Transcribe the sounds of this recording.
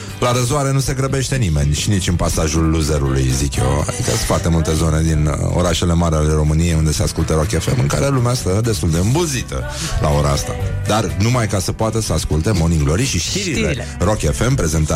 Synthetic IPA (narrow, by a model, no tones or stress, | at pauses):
laɾəzuaɾe̞nuse̞ɡɾəbe̞ʃt̪e̞nime̞nʲʃinit͡ʃɨnpasaʒulːuzeɾulṵjzikjo̞a̰ikəfoart̪e̞mult̪e̞zo̞ne̞d̪ino̰ɾaʃe̞le̞maɾale̞ɾo̞mɨnijeund̪e̞se̞askult̪eɾoke̞fe̞mɨŋka̰ɾe̞lumeast̪əd̪e̞st̪uld̪e̞ɨmbuzit̪ə̰ | lʔa̰o̞ɾaa̰st̪a̰d̪arnumajkasəpoat̪əsəaskult̪e̞mo̞niŋɡlo̞ɾiʃiʃt̪iɾilero̞kefe̞mpɾe̞ze̞nt̪a